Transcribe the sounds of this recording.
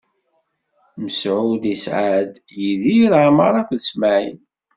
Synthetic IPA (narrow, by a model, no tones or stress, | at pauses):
məsʕud̪isʕad̪ | jiðiɾʕmɑɾˤɑkʷðəsmæʕḭn